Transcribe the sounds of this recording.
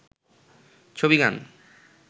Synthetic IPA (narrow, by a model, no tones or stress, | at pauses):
t͡ɕʰobiɡan